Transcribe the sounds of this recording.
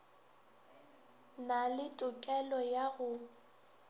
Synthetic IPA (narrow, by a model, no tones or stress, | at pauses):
nalɪtʼʊkʼɛlɔjaɣʊ